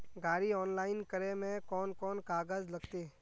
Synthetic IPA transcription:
ɡaːɾiɔːnlaːɪnkəɾemẽkɔːnkɔːnkaːɡəzlɐɡt̪eː

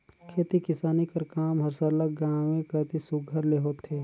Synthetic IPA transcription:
kʰeːt̪ikɪsaːnikɐɾkaːmɦɐɾsələk̚ɡãːʋẽkət̪isʊɡʱəɾleɦoːt̪ʰːeː

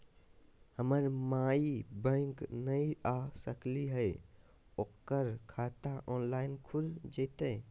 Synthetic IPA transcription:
həməɾmaːibə̃ŋknəiasəkliɦəe | okːəɾkʰaːt̪aʔɔːnlaːɪnkʰuld͡ʒet̪e

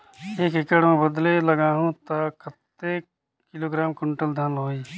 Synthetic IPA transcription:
eːkɪkəɽmẽbəd̪leləɡaːɦũːt̪akʰət̪ːeː | kɪloːɡɾaːmkʊɳʈəld̪ʱənɦoːiː

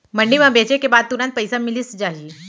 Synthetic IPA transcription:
məɳɖimãbet͡ɕekebad̪̚t̪unat̪̚pəjsamiliːsd͡ʑaɦiː

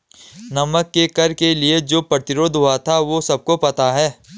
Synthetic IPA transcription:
nɐməkːekɐɾkelied͡ʒoːpɾɐt̪ɪɾoːd̪ʱɦoat̪ʰaʋosɐb̚kopɐt̪aɦɛː

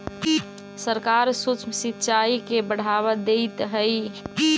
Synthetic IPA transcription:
səɾkaɾsut͡ʃməsit̪ːt͡ʃaikebəɽ̤aβəd̪et̪ɦəj

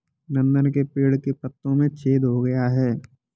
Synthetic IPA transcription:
nɐ̃nd̪ənkepiːɽkepɐt̪ːõmẽt͡ʃʰeːd̪ɦoɡɐjaɦɛː

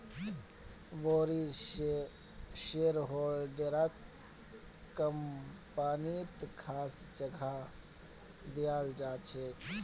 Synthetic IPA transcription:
ʋoːɾi | ʃeːɾɦoːlɖeɾak | kːəmpaːnit̪kʰaːsd͡ʒəɡʱa | d̪ijaːld͡ʒaːt͡ʃʰe

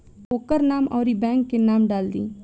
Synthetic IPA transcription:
oːkəɾnaːmɔːɾibɛ̃ːŋkːenaːmɖaːld̪ḭː

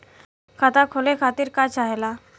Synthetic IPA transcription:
kʰat̪akʰolekʰaːt̪iɾkat͡ʃaɦela

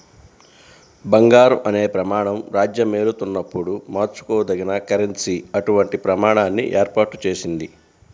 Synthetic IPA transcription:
bɐŋɡaːɾuʔɐne̞ːpɾɐmaːɳɐmɾaːd͡ʒjɐmeːɾut̪unːɐpːuɽumaːɾt͡ʃu̥koːd̪ɐɡinɐkɐɾensiɐʈuʋɐɳʈipɾɐmaːɳaːnːḭʔeːɾpaːʈu̥t͡ʃe̞ːsind̪i

